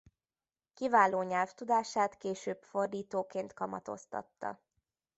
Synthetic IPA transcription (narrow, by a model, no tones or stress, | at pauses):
kivaːloːɲɛlft̪ud̪aːʃaːt̪keːʃøːbfo̞rd̪iːt̪oːkeːnt̪kɒmɒt̪o̞̰st̪ɒ̰t̪ːɒ̰